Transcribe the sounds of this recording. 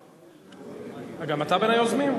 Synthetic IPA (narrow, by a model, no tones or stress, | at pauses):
aɡamat̪abenajozmim